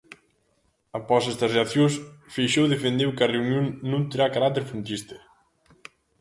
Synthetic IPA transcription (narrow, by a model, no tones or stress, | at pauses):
apɔsɛst̪ɐsreaθjõsfejʃowðefend̪ewkɐreunjõŋnõnt̪eɾakaɾat̪eɾfɾunt̪ist̪e̥